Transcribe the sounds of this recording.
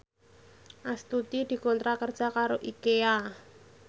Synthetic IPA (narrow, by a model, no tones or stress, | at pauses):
ʔast̪ut̪id̪̥i̤kont̪ɾakərd̥ʒ̥akaɾoʔikea